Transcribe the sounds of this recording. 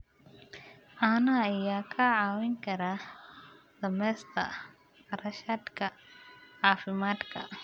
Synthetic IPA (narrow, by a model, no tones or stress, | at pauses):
ʕaːnɐjaːkʰɐʕɑːwɛŋkʰɐɾaː | d̪̥ɐmɛːst̪ʰɐ̰ | rɐʃaːd̪kʰɐʕɑːfɪmaːd̪kʰɐ̰